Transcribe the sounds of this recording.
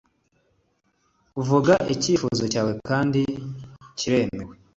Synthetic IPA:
uvuɡaʔiciːfuzo̞caːwe̞kʰaːndiciɾe̞ːmewe

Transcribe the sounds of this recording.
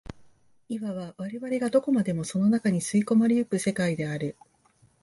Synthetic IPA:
iβaβaβaɾe̞βaɾe̞ɡad̪o̞ko̞mad̪e̞mo̞so̞no̞nakaɲ̟isɨiko̞maɾʲijɯ̟kɯ̟se̞kaid̪e̞aɾɯ̟

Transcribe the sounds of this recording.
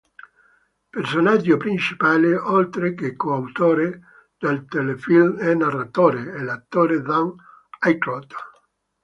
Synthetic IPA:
personad͡ʒːopɾint͡ʃipaːleʔolt̪ɾekekːoawt̪oːɾe | d̪̥elt̪elefilmɛnarːat̪oːɾeɛlat̪ːoːɾed̪an | ajkɾɔt̪

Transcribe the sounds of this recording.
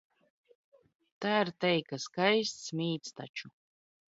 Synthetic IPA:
t̪aːɾt̪ɛjkaskajst̪smʲiːt̪st̪a̰t͡ʃu

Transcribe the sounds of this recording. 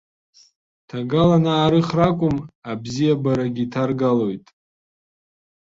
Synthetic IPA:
tʰaɡalanaːɾɨχrakʷʼʊmabzijabaɾaɡʲitʰarɡalojtʼ

